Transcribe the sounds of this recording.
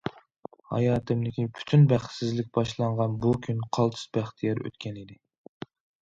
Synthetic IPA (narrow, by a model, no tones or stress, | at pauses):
hɑ̰jɑːt̪ʰɨmd̪ɪkʲipʰy̥t̪ʰynbæχt̪sɪzlɪk̚ʲbɑʃlˠɑɴʁɑnbukʲʰynqʰɑlˠt̪ʰɨ̥zbæχt̪ʰijɛɾø̰t̪kʲɛnɪd̪ɪ